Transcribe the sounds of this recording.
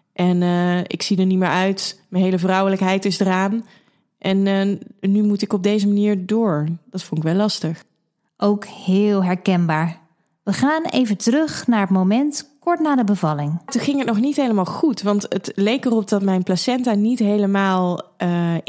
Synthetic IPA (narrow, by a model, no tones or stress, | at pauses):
ʔɛnəɪ̰ksidəɹnitmɪːɹœɥtmənɦejləvrʌwələkɦɛjtɪsdəraːn | ʔɛnnymutɪkɔb̚dejzəmaniːɹdʊːɹd̥ɑtfɔnɪkʋɛlːɑstəχ | ʔowkhɪːlˠɦɛɹkɛnbaːɹ | ʋəχaːnḛjvətərɵxnaːɹətmomɛntkɔɹtnaːdəbəvɑlɪŋtuχɪŋɦət̚nɔχnitɦejləmaːlˠχutʋɑntətlejkərɔp̚dɑtmɛjnplasɛntanitɦejləmaːlˠə